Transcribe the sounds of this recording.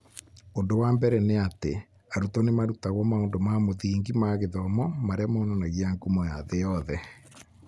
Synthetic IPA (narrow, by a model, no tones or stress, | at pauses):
ondowambɛɾɛneatḛ | aɾutɔnemaɾutaɣwɔmaondomamoðiːŋɡimaɣeðɔmɔmaɾeamaonanaɣiaŋkumɔjaðejɔðɛ